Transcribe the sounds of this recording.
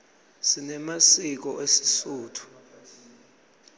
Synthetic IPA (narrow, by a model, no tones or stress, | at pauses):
sinɛmasik̬ɔʔesi̥suːtʰu̥